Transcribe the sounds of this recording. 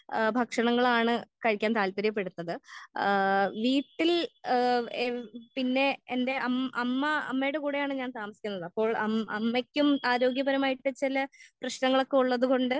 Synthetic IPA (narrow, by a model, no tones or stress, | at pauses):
bʱɐkʂɐɳɐŋːɐɭaːɳɨkɐɻikʲːaːnt̪aːlpɐɾjɐp̬ːe̞ɽut̪ːɐðɨ | ʋiːʈːil | pinːe̞ende̞ʔɐmɐmːɐɐ̰mːejɽekuːɽejaːɳɨɲaːnt̪aːmɐsikʲunːɐðɨɐpːo̞ːɭɐɐmːekʲːumaːɾo̞ːɡjɐbɐɾɐmaːjiʈːɨt͡ɕilɐprɐɕnɐŋːɐɭo̞kːeuɭːɐðuɣo̞ɳɖɨ